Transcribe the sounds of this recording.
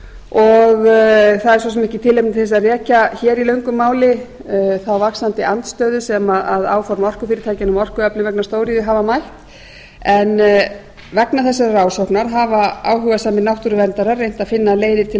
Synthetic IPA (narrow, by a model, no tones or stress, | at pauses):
ɔɣθaðɛɾswɔs̬ɛmɛhcɪt̪ʰɪlejpnθɛs̬aðrɛːcaçɛːɾilœɥŋkʏmːaːwlɪθawvaksant̪ɪant̪st̪œːðʏsɛmaðaða̰ːwfɔɾmɔr̥kʏfɪːɾɪt̪ʰajcɪnʏmɔr̥kʏɛplɪnvɛk̚nast̪oːwɾiðɪɦavamajht̪ | ɛn | vɛknaθɛsːaɾraːwsohknaɾ̥ɦavaaːwɦʏɣasaːmɪnawht̪uɾʏvɛnt̪aɾaɾːejn̥t̪aðfɪnːaleːjðɪt̪ʰɪ